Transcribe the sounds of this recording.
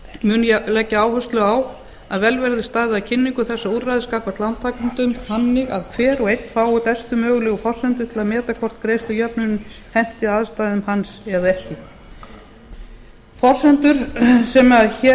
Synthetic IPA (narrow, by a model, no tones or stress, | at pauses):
mʏːnalɛcːaaːwhœst̪lʏaːw | aðvɛlvɛɾðɪst̪aːjðɪacʰɪnːiŋkʏθɛsːauɾrajðɪskaːkvaɾ̥t̪lawnt̪ʰːaːkʏnt̪ʏmhanːɪɣa̰ðkʰvɛːɾɔɣejt̪faːwʏpɛst̪ʏmœːɣʏlɛːɣʏfɔr̥sɛnt̪ʏɾ̥t̪ʰɪlaðmɛːt̪akʰɔr̥t̪kɾejst̪ʏjœpnʏnʏm | hɛn̥t̪ɪaːðst̪aːjðʏmhansɛðaɛhcɪ | fɔr̥sɛnt̪ʏɾ̥sɛmaçɛ